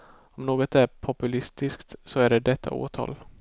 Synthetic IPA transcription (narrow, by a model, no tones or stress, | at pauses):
ɔmnoːɡɔt̪æɾpʰɔpɵlɪst̪ɪskt̪sɔæɖɛd̪ɛt̪ʰːa̰o̰ːt̪ʰɑ̰ːl